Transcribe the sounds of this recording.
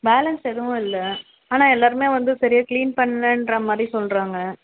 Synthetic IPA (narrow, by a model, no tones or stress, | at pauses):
beːlɐnsɛðɯʋʊ̃ɪlːɐ | aːnaːɛlːaːɾɯmeːʋɐnd̪ɯsɐɾɪjakliːnpɐɳːɐlɐndɾɐmaːd̪ɾisɔlɾaːŋɡɐ